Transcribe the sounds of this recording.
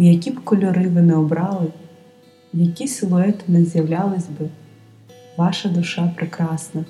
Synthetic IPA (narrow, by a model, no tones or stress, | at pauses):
jɐkʲibkɔlʲɔɾɪʋɪnɛɔbɾɑlˠɪ | jɐkʲisʲɪlˠʊɛt̪ɪnɛzjɐwlʲɑlˠɪzʲbɪ | ʋɑʃɐd̪ʊʃɑpɾɪkɾɑsnɐ